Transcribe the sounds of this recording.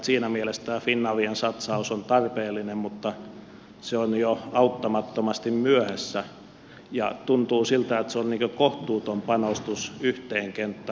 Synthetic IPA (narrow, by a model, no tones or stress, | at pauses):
siːnæmielest̪æːfinːɑʋiensɑt̪sɑusont̪ɑrpeːlːˑinemmut̪ːɑ | seonjoɑut̪ːɑmɑt̪ːomɑst̪immyøhæsːæ | jɑ̰t̪unt̪uːsilt̪æet̪seonniːkøkoht̪uːt̪ompɑnost̪usyht̪eːŋkent̪ːɑ